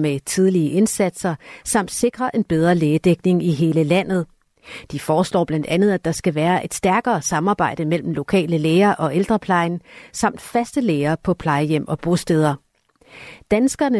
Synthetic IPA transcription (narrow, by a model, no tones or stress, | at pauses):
met͡sʰið̞ˠliəʔe̝nsæd̥sɐsɑ̈m̰d̥se̝ɡ̥ʁɐʔe̝nb̥eð̞ˠʁɐleːd̥eɡ̥̚ne̝ŋiɦe̝ːləlæn̰ð̞̩ˠ | d̥ifɒːslɒ̰ːb̥læn̰d̥ænð̞̩ˠæd̥ɑ̈sɡ̥æʋæːɐʔe̝d̥sd̥æɐɡ̥ɐːsɑ̈mɑ̈ːb̥ɑ̈ɪ̰d̥əmel̰m̩lo̝kʰɛ̰ːləleːɐʔɒ̽ʔeld̥ʁɐpʰlɑ̈ɪnsɑ̈m̰d̥fæsd̥əleːɐpʰɒ̽pʰlɑ̈ɪəjem̰ɒ̽b̥ʁo̝sd̥eːð̞ˠɐ | d̥ænsɡ̥ɐnə